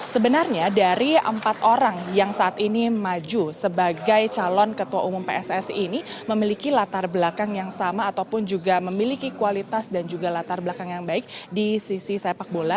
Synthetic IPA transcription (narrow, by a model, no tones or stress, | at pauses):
səbənarɲadaɾiʔə̰mpat̪oɾaŋjaŋsaʔat̪inimad͡ʒusəbaɡajt͡ʃalɔnkət̪uaʔumʊmpḛɛsɛsiniməmilikilat̪arbəlakaŋjaŋsamaːt̪awpʊnd͡ʒuɡaməmilikikualit̪asdand͡ʒuɡalat̪arbəlakaŋjaŋbaɪk̚disisisepak̚bola